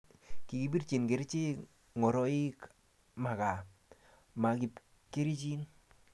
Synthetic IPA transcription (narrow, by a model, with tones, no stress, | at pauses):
ki˨ɡi˨bi˦ɾt͡ʃi˨nke˨ɾi˦t͡ʃe˦ | ŋɔ˨ɾɔ˦i˦k | ma˨ka˨ | ma˨ki˨p | ke˦ɾi˦t͡ʃi˦n